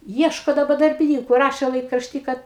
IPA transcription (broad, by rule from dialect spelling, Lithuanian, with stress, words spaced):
ˈiɛʃkoː dɐˈbɐ dɐrʲbʲɪˈnʲiːkʊ ˈrɑːʃʲeː lˠɐɪkrɐʃʲˈtʲiː ˈkɐt